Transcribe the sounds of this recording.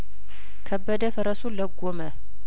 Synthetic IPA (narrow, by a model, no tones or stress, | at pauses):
kʰəbːəd̪əfəɾəsuləɡomə